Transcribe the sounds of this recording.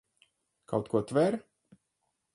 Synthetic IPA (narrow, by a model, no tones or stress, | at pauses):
kʰawt̪kuɔt̪vɛɾ